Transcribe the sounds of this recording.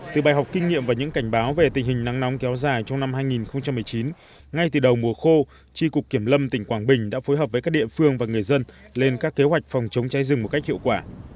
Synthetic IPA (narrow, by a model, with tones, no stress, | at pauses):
t̪ɨ˨˩ɓaː˨˩jɦa˨˩wk͡p̚kï˧ŋ̟ŋḭ˧əmvaː˨˩ɲɨ̰˧˥ŋka˧˩jŋ̟ɓaː˨˦wve˨˩t̪ï˨˩ŋ̟hï˨˩ŋna˨˦ŋnɔ˨˦wŋ͡mkɛ˨˦wzaː˨˩jt͡ɕɔ˧wŋ͡mna˧mɦaː˧jŋi˨˩nxə˧wŋ͡mt͡ɕa˧mːɨ˨˩əjt͡ɕi˨˦n | ŋa˧jt̪ɨ˨˩ɗə˨˩wmu˨˩əxo˧ | t͡ɕi˧kʊ˨˩k͡p̚kːi˧˩əmlə˧mt̪ï˧˩ŋ̟kwaː˧˩ŋɓï˨˩ŋ̟ɗa̰ː˧˥fo˨˦jɦəː˨˩əː˨˦jkaː˦˥k̚ɗḭ˧˨əfɨ˧əŋvaː˨˩ŋɨ˨˩əjzə˧n | le˧nkaː˦˥kːe˨˦ɦwa˨˩jk̟̚fɔ˨˩wŋ͡mt͡ɕə˨˦wŋ͡mt͡ɕaː˨˦jzɨ˨˩ŋmo˨˩t̚ka˦˥k̚hḭ˧ə˨wkwaː˧˩